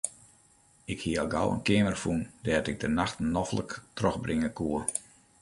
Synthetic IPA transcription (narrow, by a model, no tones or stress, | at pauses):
ɪkhiəɔlˠɡawə̰nkɪəmərfundɛːtɪɡ̚dənaxtnɔflə̰ktrɔxbrɪŋəkʰuər